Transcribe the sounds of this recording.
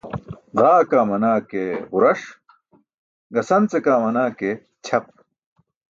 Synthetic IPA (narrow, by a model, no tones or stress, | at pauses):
ʁaːkaːmɐnaːkeːʁuɾɐʂ | ɡɐsɐnt͡sekaːmɐnaːke | t͡ɕʰɐp̚